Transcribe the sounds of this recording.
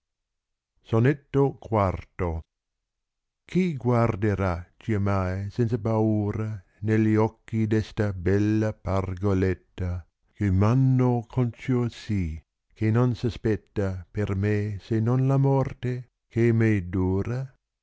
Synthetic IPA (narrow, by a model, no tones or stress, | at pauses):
sonet̪ːokwart̪o | kʰiɡward̪eɾat͡ʃiamajsɛnt̪sapauːɾa | nelːiɔkːid̪ɛst̪abɛlːaparɡolet̪ːa | kemanːokʰont͡ʃosi | kʰenonsaspɛt̪ːapermesenonlamɔrt̪e | kemed̪uːɾa